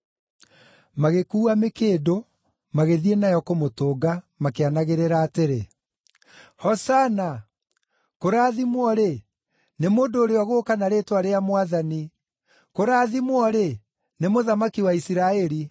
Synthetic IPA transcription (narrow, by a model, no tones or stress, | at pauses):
maɣekuːamekeːdo | maɣeðienajɔkomotoːɡa | makeanaɣeɾeɾaːteɾe | hɔsana | koɾaːðimwɔɾe | nemoːndoːɾeɔɣoːkanaɾeːtwaɾeamwaðani | koɾaːðimwɔɾe | nemoðamakiwaisiɾaɛɾi